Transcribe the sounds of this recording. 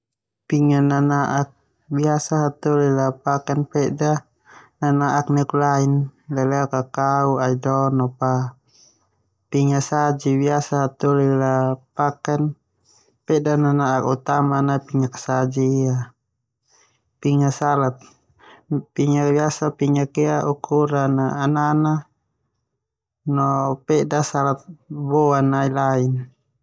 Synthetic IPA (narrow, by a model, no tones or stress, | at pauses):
piŋananaʔak̚ | biasaɦat̪ulilapakanpɛda | nanaʔak̚nɛklainlalɛakakauaidɔnɔpa | piŋasad͡ʒibiasaɦat̪ulilapakan | pɛdananaakut̪amanapiŋaksad͡ʒiːa | piŋasalat̪̚ | piŋak̚biasapiŋakiaʔukʰuɾanaːnana | nɔpɛdasalat̪̚bɔanailain